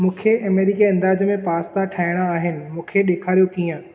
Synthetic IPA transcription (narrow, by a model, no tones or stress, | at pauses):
mũːkʰeɐmeːɾɪkiɐ̃nd̪aːd͡ʑmẽpaːst̪ʰaʈʰaːɪɽ̃aaːɦɪnɪ̆mũːkʰeɗeːkʰaːɾijokiːə̃